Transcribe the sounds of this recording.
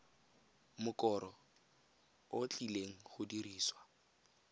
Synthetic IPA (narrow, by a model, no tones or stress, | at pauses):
mʊkʼɔɾɔ | ot͡ɬileŋ̩χʊdiriːswa